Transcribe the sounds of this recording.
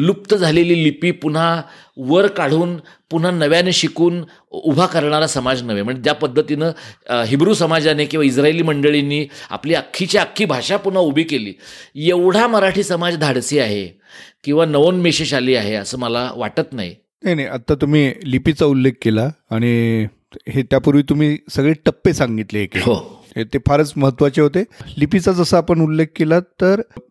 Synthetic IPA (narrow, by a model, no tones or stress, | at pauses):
lup̚t̪əd͡zʱaleliːlipiːpun̤a | ʋəɾkaɽ̤uːn | pun̤anəʋjaneɕikuːn | ubʱakəɾɳaɾasəmad͡znəʋem̤əɳd͡zet̪japəd̪ʱːət̪inəɦibɾuːsəmad͡zanekĩw̃ʋais̬ɾaeliːməɳɖəɭinːiːa̰pliːakʰːit͡ɕjaakʰːiːbʱaʂapun̤aubʱiːkelḭːjeʋɽ̤aməɾaʈʰiːsəmad͡zd̪ʱaɽsiaɦḛ | kĩw̃ʋanəʋonmeɕeɕaliːaɦeəsəːməla̰ʋa̰ʈət̪na̰j | najnajʔat̪ːat̪um̤iːlipit͡saulːek̚ʰkelaːɽ̃i | ɦet̪japuɾʋiːt̪um̤iːsəɡɭeʈəpːesaŋɡit̪leɦekeho | et̪efaɾət͡sməɦət̪ːʋat͡ɕeɦot̪elipit͡sat͡səsəapəɳulːek̚kelat̪ːəɾ